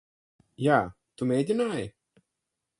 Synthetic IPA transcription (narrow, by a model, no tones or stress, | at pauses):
jaː | t̪umʲɛjd̪ʲinaːj